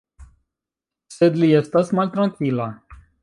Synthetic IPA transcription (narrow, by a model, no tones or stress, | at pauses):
sed̪liɛst̪asmalʲt̪ɾãŋkila